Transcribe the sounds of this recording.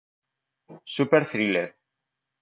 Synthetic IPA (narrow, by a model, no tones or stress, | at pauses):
supɛɾθɾilɛɾ